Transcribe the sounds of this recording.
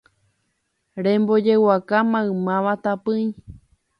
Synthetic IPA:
ɾẽmbo̞d͡ʒe̞wakamãɨ̃mãʋat̪apɨ̃j̃

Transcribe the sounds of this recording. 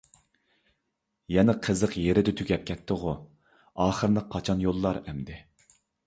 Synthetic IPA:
jɛnɛqʰəzəqjeɾɪd̪ɪt̪ʰyɡʲɛp̚kʲʰɛt̪ʰːɨʁʊ | ɑːχəɾnɨq̚qʰːɑt͡ʃʰɑnjolˠːɑɾɛmd̪ɪ

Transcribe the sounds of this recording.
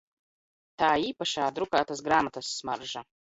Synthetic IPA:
t̪aːiːpaʃaːd̪ɾukaːt̪asɡɾaːmat̪asːmaɾʒa

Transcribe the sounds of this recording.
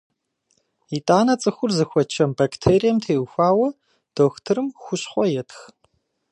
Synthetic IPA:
itʼaːnɐt͡sʼɨxʷʊrzɨxʷɔt͡ʃʰɐmbakʰtʰeːɾijɛmtʰeːwxʷaːwɐ | d̥oːxtʰɨɾɨmxʷʊɕχʷɔjɛtʰx

